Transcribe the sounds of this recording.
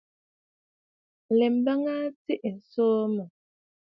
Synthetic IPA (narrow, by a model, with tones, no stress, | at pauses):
lɛ˨m˦ba˦ŋa˦ti˦ʔn̩˨soː˦mə˨